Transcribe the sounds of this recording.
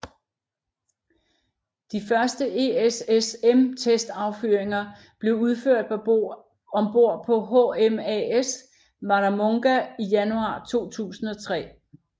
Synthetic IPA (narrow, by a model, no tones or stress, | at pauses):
d̥ifɶɐsd̥əʔe̝esesemt͡sʰesd̥ɑ̈ʊfyɐeŋɐ | b̥le̝ʊuð̞ˠføɐ̰d̥̚pʰɒ̽o | ɒ̽mb̥o̝ɐ̰pʰɒ̽ɦoemɛes | mɑ̈dæmɔ̽ŋɡ̥æijænuɑ̰̈ːt͡sʰo̝̰ːt͡sʰṵːsn̩ɒ̽t͡sʰʁɛ̰ː